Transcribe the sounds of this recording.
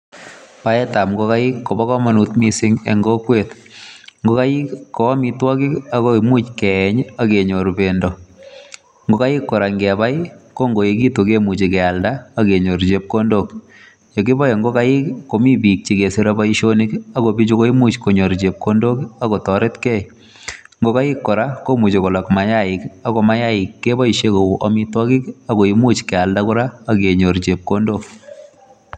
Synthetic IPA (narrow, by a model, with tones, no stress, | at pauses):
pa˦ɛ˦ta˨mɡɔ˦ka˦ɪ˦kːo˨bɔ˦kɔ˦ma˨nu˨tmi˦sɪ˦ŋɛ̰˨ŋɡo˦kwet | ŋɡo˦ka˦jɪ˦kːo˨a˦mɪ˦twɔ˦kɪ˦a˦komu˦t͡ʃkɛɛɲa˦ke˨ɲo˨ɾbe˨ndɔ˨ | ŋɡo˦ka˦jɪ˦kːo˨ɾa˨ŋɡɛ˨a˨ba˦jko˦ŋɡo˨e˨ki˦to˨ke˦mu˨t͡ʃi˨kɛa˨lda˦a˦ke˨ɲo˨ɾt͡ʃe˨p̚ko˦ndo˦k | jo˨kɪ˦bɔ˦je˨ŋɡo˦ka˦ɪ˦kko˨mi˦bi˨k̚t͡ʃi˨ke˨siɾa˦ba˦iʃo˦nɪka˦ko˨bi˦t͡ʃu˦ko˦i˦mu˦t͡ʃko˨ɲo˨ɾt͡ʃe˨p̚ko˦ndo˦ka˦ko˨tɔ˨ɾe˦tkɛ˦ | ŋɡo˦ka˦jɪ˦kːɔ˨ɾa˦ko˦mu˨t͡ʃe˨kɔ˨la˨kma˨ja˦ɪka˦ko˨ma˦ja˦ɪ˨kːe˦bɔ˦iʃe˦ko˨ʔɔ˦mitɔ˦kɪ˦ka˦ko˨imu˦t͡ʃkɛ˨a˨lda˦kʊ˦ɾa˦ake˨ɲo˨ɾt͡ʃe˨p̚ko˦ndo˦k